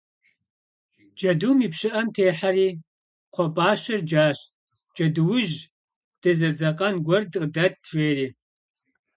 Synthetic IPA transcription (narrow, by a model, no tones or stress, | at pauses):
d͡ʒɐduːmiːpʃɨʔɐmtʰeːħariː | qʷʰɔpʼaːʃɐrd͡ʒaːɕ | d͡ʒʼɐdɨwʊʒ | d̥ɐzɐd͡zɐqʼɐnɡʷɔrdqdɐt̚ːreːriː